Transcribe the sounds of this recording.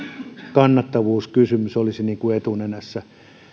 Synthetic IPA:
kɑnːɑt̪ːɑʋuːskysymysolisiniːŋkuet̪unenæsːæ

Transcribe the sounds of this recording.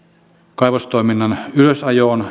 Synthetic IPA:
kɑipost̪oˑiminːɑnyløsɑjoːn

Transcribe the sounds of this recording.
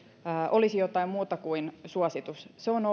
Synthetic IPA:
ʔolisijot̪ɑimmuːt̪ɑkuinsuɑsit̪usseono

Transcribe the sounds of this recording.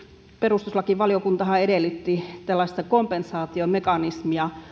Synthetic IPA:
perust̪uslɑkiʋɑliokunt̪ɑhɑedelːyt̪ːit̪ælːɑˑst̪ɑkompensɑːt̪iomekɑnismiɑ

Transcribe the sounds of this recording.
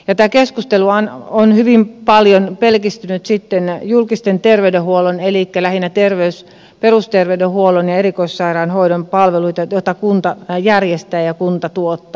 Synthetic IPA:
jɑt̪æːkeskust̪eluɑnonhyʋimpɑljonpelkist̪ynyt̪sit̪ːenjulkist̪ent̪erʋeydehuolonelikːælæhinæt̪erʋeys | perust̪erʋeydehuolonjɑeɾikoissɑirɑːnhoidompɑlʋeluit̪ɑjot̪ːɑkunt̪ɑjærjest̪æːjɑkunt̪ɑt̪uot̪ːɑː

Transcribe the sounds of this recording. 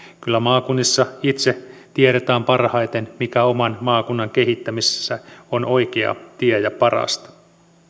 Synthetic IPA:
kylːæmɑːkunːisːɑit̪set̪ieɾet̪æːmpɑrhɑjt̪e̞nmikæo̞mɑnmɑːkunːɑŋke̞ɦit̪ːæmisesːæono̞jkeɑ̰t̪iejɑpɑrɑ̰st̪ɑ̥

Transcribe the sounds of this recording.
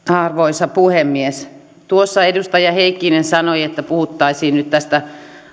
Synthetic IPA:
ɑrʋoisɑpuhemːies | t̪uosːɑedust̪ɑjɑheikːinensɑnoiet̪ːæpuhut̪ːɑisiːnnyt̪t̪æst̪æ

